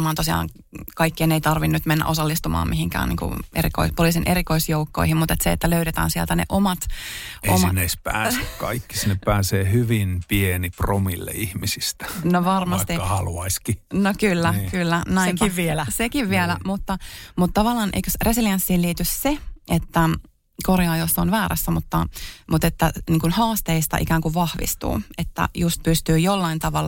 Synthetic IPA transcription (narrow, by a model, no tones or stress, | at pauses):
mɑːnt̪osiɑ̰ːŋ | kɑikːieneit̪ɑrʋinːyt̪menːæ̰ʔosɑlːist̪umɑ̰ːmʔiɦiŋkæ̰ːnḭːŋkṵeɾḭko̰ispoliˑːsinʔeɾikoisjoukːo̰ihimmut̪et̪seḛt̪ːæløyɾet̪æ̰ːnsiɛælt̪ænḛʔomɑt̪ʔomɑneispæ̰ːsekkɑ̰ikːi̥sinːeppæːseːhyʋinpienipromḭlːḛihmisistt̪æ̥noʋɑrmɑst̪ihɑluɑiskinokylːækylːænæmkʋilsekiʋʋielæmut̪ːɑmut̪ːtɑʋɑlːˑɑːnʔḛjkøsresilijensːihːliːt̪ysseʔet̪ːæ | korjɑːjosːonʋæːɾæ̰sːæmut̪ːɑmut̪et̪ːæniːŋkunhɑːst̪eist̪ɑ̰ʔḭkæːŋkuʋʋɑhʋḭst̪ṵːet̪ːæ̰just̪̚pyst̪yːjolːɑint̪ɑʋɑlː